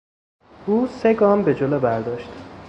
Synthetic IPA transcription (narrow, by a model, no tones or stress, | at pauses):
ʔuːse̞ɡɒːmbe̞d͡ʒolobæɾd̪ɒːʃt̪